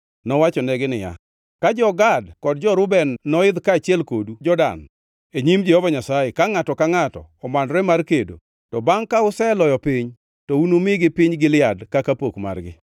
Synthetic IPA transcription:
nɔwat͡ʃɔnɛɡɪnɪja̰ | kad͡ʒɔɡadkɔdd͡ʒɔɾʊbɛnːɔɪd̪kaːt͡ʃɪɛlkodud͡ʒɔda̰n | eɲimd͡ʒɛhɔvaɲasajekaŋatɔkaŋatɔ̰ɔmanɾɛmarkedo̰ | tɔbaŋkaʊsɛlɔjɔpɪɲ | tɔunomɪɡɪpɪɲɡɪlɪadkakapokma̰rɡɪ̰

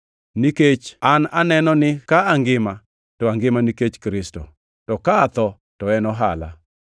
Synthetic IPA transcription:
niket͡ʃana̰nɛnɔnɪkaaŋɡɪma | tɔaŋɡɪmaniket͡ʃkɾɪsto̰ | tɔkaːt̪ɔ | tɔɛnɔɦa̰la̰

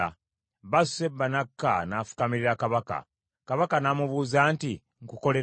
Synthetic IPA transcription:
a̰ | βasebanakːa̰nafu̥kamiɾiɾakaβaka̰ | kaβakanamuβuːzaːnti | ŋkuko̞le̞

